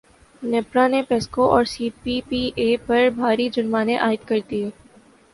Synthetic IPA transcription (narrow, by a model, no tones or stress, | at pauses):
nɛːpɾanepeːskoʔɔːɾsiːpipiʔeːpɐɾbʱaːɾid͡ʒʊnmaːnẽʔaːɪt̪kɐɾd̪iɦɛː